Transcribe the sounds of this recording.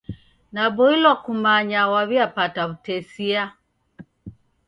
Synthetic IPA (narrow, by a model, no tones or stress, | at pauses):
nabɔilɔkumaɲawaβiapataβutɛsia